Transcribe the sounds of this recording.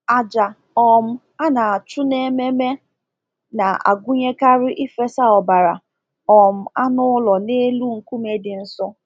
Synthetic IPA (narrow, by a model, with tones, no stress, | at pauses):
a˨d͡ʒa˨ | ɔ˨m̩˦ | a˦na˨a˨t͡ʃʊ˦ne˦me˦me˦ | na˨a̰˨ɡʷu˦ɲe˦ka˦ɾɪ˦ʔi˦fe˦sa˦ɔ˨ba˨ɾa̰˨ | ɔ˨m̩˦a˦nʊ˦lɔ˨ne˦lu˦ŋ̩˨ku˦me˦dɪ˨n̩˦sɔ˦